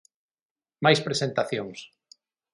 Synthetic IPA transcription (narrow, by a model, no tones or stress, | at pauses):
majspɾesent̪aθjoŋs